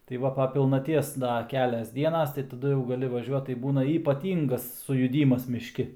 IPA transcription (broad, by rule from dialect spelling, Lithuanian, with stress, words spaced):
tɐɪ ˈʋɐ pɐ pʲɪlˠnɐˈtʲiɛs ˈdɐ ˈkʲæːlʲɛs ˈdʲiɛnɐs tɐɪ tɐˈdʊ jɛʊ ɡɐˈlʲɪ ʋɐˈʒʲuɔt tɐɪ ˈbuːnɐ iːpɐˈtʲiːŋɡɐs sʊjʊˈdʲiːmɐs mʲɪʃʲˈkʲɪ